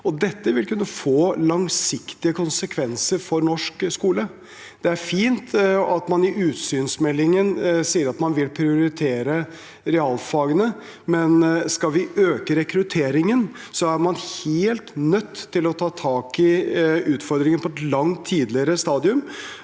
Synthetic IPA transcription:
ɔd̪ɛt̪ːəʋɪlkʉnːəfoːlɑŋsɪkt̪ɪəkʰʊnsəkʰʋɛnsəɾfɔɾnɔʂkskuːlə | d̪̥ɛæɾfiːnt̪ɑt̪mɑnɪʔʉːt̪syːnsmɛlːɪŋənsiːəɾɑt̪mɑnʋɪlpʰɾɪʊɾɪt̪ʰeːɾə | ɾɛɑːlfɑːɡənə | mɛnskɑʋɪøːkəɾɛkɾʉt̪ʰeːɾɪŋən | sɔæɾmɑnheːlt̪nœt̪ʰːɪlɔt̪ʰɑːt̪ʰɑːkɪʉːt̪fɔɾd̪ɾɪŋənpʰɔɛt̪lɑŋt̪ʰːiːd̪lɪəɾəst̪ɑːd̪ɪʉm

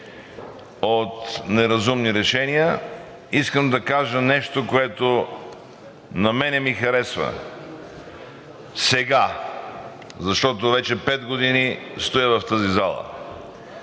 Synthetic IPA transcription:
ot̪nɛɾɐzumniɾɛʃɛniə | iskəmd̪ɐkaʒənɛʃt̪okoɛt̪o | nɐmɛnɛmixɐɾɛsvə̰ | sɛɡa | zɐʃt̪ɔt̪̬ovɛt͡ʃɛpɛd̪ɡod̪inist̪ojəvɐft̪əzizalˠə̰

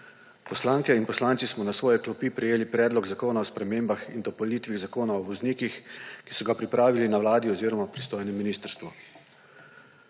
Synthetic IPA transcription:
pɔslaːŋkɛinpɔslaːnt̪sismɔnasʋɔːjɛklɔpipɾɛjeːlipɾɛːd̪lɔɡzakoːnaɔspɾɛmeːmbaxind̪ɔpɔliːt̪ʋiɣzakoːnaɔʋɔzniːkixki̥sɔɡapɾipɾaːʋilinaʋwlaːd̪iɔziːɾɔmapɾist̪oːjnɛmːiniːst̪əɾst̪ʋɔ

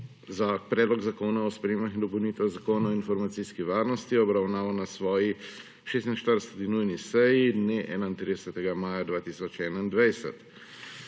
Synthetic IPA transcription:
zapɾɛːd̪lɔɡzakoːnaɔspɾɛjeːmaxind̪ɔpɔwniːt̪ɛzakoːnaɔinfɔɾmat̪siːskiʋaːɾnɔst̪iɔbɾawnaːʋanasʋɔːji | ʃeːst̪inʃt̪əɾd̪əsɛt̪inujnisɛjid̪neʔɛ̰ːnaint̪ɾid̪əsɛt̪ɛɡamaːjad̪ʋaːt̪iːsɔt͡ʃɛːnaind̪ʋɛjsɛ̰t̪

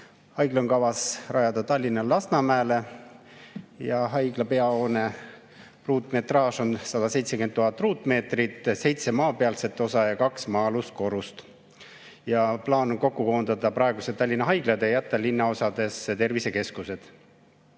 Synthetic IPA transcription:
hɑjɡ̥loŋkɑvɑsrɑjɑd̪̥ɑt̪ɑlʲːinɑlɑsnɑmæːle | jɑɦɑjɡlɑpe̞ɑoːne̞ | ruːt̪ːˑme̞t̪rɑːʃo̞nsɑd̪̥ɑse̞jt̪sekymenːuɦɑt̪ːˑruːt̪ːˑme̞ːt̪rit̪ːˑse̞jt̪se̞mɑːpe̞ɑlse̞t̪ːˑo̞sɑjɑkɑksmɑːlust̪̚ko̞ɾust̪ | jɑplɑːnoŋko̞kːukoːnd̪ɑd̪ɑpɾɑe̞ɡ̥uset̪ɑlʲːinːɑɦɑjɡlɑd̪ejæt̪ːˑɑlinːɑo̞sɑd̪̥e̞st̪e̞rvise̞ke̞skuse̞d̪̥

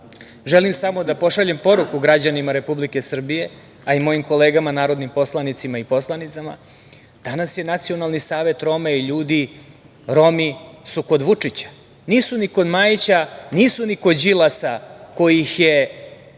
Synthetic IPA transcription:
ʒelimsamo̞d̪apo̞ʂaʎe̞mpo̞ɾukuɡɾad͡ʑanimaɾe̞publike̞sr̩bije̞ | aimo̞jimko̞le̞ːɡamanaːɾo̞d̪nimpo̞slˠanit̪simaipo̞slˠanit̪sama̰ | d̪̥anasje̞nat̪sio̞nalˠnisaːʋe̞t̪ɾo̞maiʎuːd̪i | ɾo̞misuko̞d̪ʋut͡ʂit͡ɕḁ | niːsuniko̞d̪maːjt͡ɕaniːsuniko̞d͡ʑilˠasako̞jixje̞

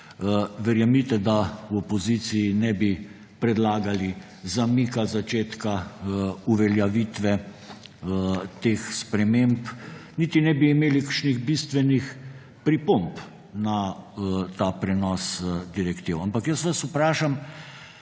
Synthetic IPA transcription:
ʋɛɾjamit̪ɛd̪awɔpozisiːnɛbi | pɾɛd̪laːɡali | zamikazat͡ʃeːt̪ka | uʋɛljaʋit̪ʋɛ | t̪eːxspɾɛmempnit̪inɛbiːmeːlikəɾʃniɣbist̪ʋɛnix | pɾipomp | na | t̪aːpɾɛnɔsd̪iɾɛkt̪iwampakjəsʋasupɾaːʃam

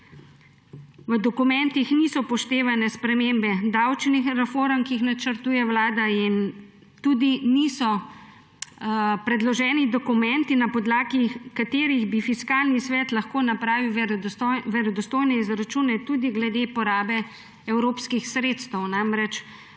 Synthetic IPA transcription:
ʋəd̪ɔkumɛnt̪ixnisɔpɔʃt̪eːʋanɛspɾɛmembɛd̪awt͡ʃnixɾɛfoːɾmkiixnat͡ʃəɾt̪uːjɛwlaːd̪ain | t̪uːd̪inisɔ | pɾɛd̪lɔʒɛːnid̪ɔkumɛnt̪inapɔd̪laːɡikat̪eːɾiɣbifiskalnisʋɛt̪lɐxkoːnapɾaːʋiw | ʋɛɾɔd̪ɔst̪oːjnɛizɾat͡ʃuːnɛt̪uːd̪iɡlɛd̪epɔɾaːbɛ | ɛwɾoːpskixsɾeːt̪st̪əwnamɾɛt͡ʃ

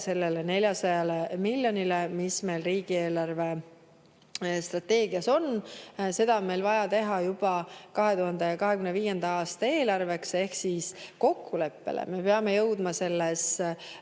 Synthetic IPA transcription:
se̞lːe̞lene̞lʲjɑsɑjɑlemilʲjo̞nilemisme̞jlriːɡ̥ie̞ːlɑrve̞ | st̪rɑt̪e̞ːɡ̥iɑso̞nse̞d̪̥ɑonme̞jlvɑjɑt̪e̞ɦɑjub̥ɑkɑɦe̞t̪uɦɑnd̪̥ejɑkɑɦe̞kymneviːje̞nd̪̥ɑɑːst̪ɑe̞ːlɑrve̞kse̞hksiːsko̞kːule̞pːe̞̰lʔḛme̞peɑme̞jɤwd̪̥mɑse̞lːes

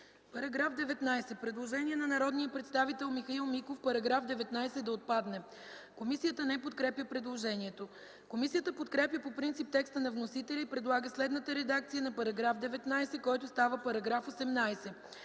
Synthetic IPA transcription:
pɐɾɐɡɾafd̪ɛvɛt̪najsɛpɾɛd̪lˠoʒɛniɛnɐnɐɾɔd̪nijəpɾɛt̪st̪avit̪ɛlˠmixɐilˠmikofpɐɾɐɡɾafd̪ɛvɛt̪najsɛd̪ɐot̪̚pad̪nɛ | komisijət̪ənɛpot̪̚kɾɛpjəpɾɛd̪lˠoʒɛniɛt̪o | komisijət̪əpot̪kɾɛpjəpopɾint̪sip̚t̪ɛkst̪ənɐvnosit̪ɛlʲəipɾɛd̪lˠaɡəslɛd̪nət̪əɾɛd̪ak̚t̪sijənɐpɐɾɐɡɾafd̪ɛvɛt̪najsɛkɔjt̪ʊst̪avəpɐɾɐɡɾafosɛmnajsɛ

